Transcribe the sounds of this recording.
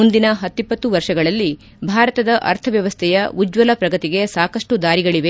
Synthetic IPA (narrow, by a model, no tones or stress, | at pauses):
und̪inɐɦɐt̪ːipːɐt̪ːuʋɐɾʂɐɡɐɭɐlːi | bʱaːɾɐt̪ɐd̪ɐʔɐ̰ɾt̪ʰɐʋjɐʋɐst̪ʰɛjɐud͡ʒʋɐlɐpɾɐɡɐt̪iɡe̞saːkɐʂʈud̪aːɾiɡɐɭiʋe